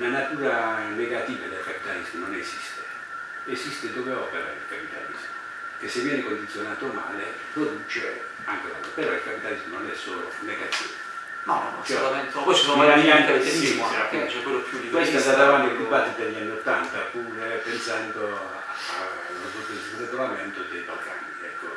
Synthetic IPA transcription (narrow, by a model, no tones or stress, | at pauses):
nanat̪uːɾaneɡat̪iːvad̪elkapi̥t̪alizmononezist̪e | ezist̪ed̪oveɔ̰ːpeɾa̰elkapit̪a̰lḭzmo | k̟esːevːjɛnekond̪it̪sːjonaːt̪oma̰ːle | pɾod̪ut͡ʃe | a̰ŋkea̰nopeɾɔilkapit̪alizmononɛsːɔ̰lo̰ | neɡat̪ḭ | nɔt͡ʃɛamɛnt̪kosnomlaniɛnt̪ed̪esimakɛt͡ʃɛkwelːopjud̪ikwest̪ɛsad̪avant̪ikubat̪ːid̪eʎːianːiot̪ːant̪apːuːɾepensand̪o | a̰ | oeureɡolamɛnt̪od̪ejbalɡa̰niɛkʰːo